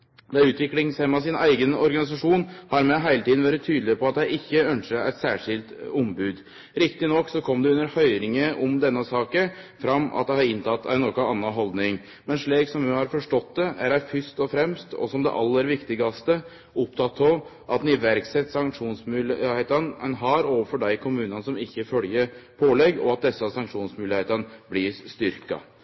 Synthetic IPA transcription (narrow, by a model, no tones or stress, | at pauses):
d̪ɛʉːt̪ʋɪklɪŋshɛmːɑsɪnæɪɡənɔɾɡɑnɪs̬ɑʂuːnhɑɾmɛɦæɪlət̪ʰiːd̪n̩ʋæːɾɪt̪ʰyːd̪l̩ɪpɔɑt̪̚d̪æɪʔɪçːəœnʂəɾæ̰ɪt̪sæːʂɪlt̪ɔmbʉːd̪ | ɾɪkt̪ɪnɔkːsɔkʰɔmːd̪ɛʉnːəɾhœʏɾɪŋəʔɔmd̪ɛnːəsɑːkəfɾɑmːɑ̰t̪̚d̪ɛhɑɾɪnt̪ʰɑt̪ːʰæ̰ɪnɔkɔɑnːɑɦɔld̪nɪŋ | mɛnʂɭiːksɔmjʉhɑɾfɔʂʈɔt̪̚d̪ɛæɾæɪfʏst̪ɔfɾɛmst̪ʰɔ̰sɔmd̪ɛ̰ʔɑlːəɾʋɪkt̪ɪɡɑst̪ə | ʊpt̪ʰɑt̪ʰːɔʔɑt̪nɪʋæɾksɛt̪ːsɑŋkʂuːnsmʉːlɪheːt̪ənənɦɑɾoːʋəfɔɖæɪkʰʊmʉːnənsɔmɪçːəfœljəɾpʰoːlɛɡɔ̰ɑt̪̚d̪ɛsːɑsɑŋkʂuːnsmʉːlɪheːt̪ənəblɪst̪ʏɾkɑ̰